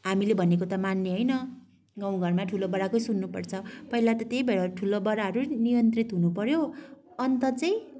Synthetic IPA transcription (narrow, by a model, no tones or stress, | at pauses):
ɦamilebʱʌnekot̪ʌmanːeɦʌjnʌ | ɡaw̃ɡʱʌrmaʈʰulobʌɽakojsunːupʌrt͡sʰʌpʌɦilat̪ʌt̪eibeɾʌʈʰulobʌɽaɦʌɾunijʌnt̪rit̪ɦunupʌɾjoʌnt̪ʌt͡sʌj̃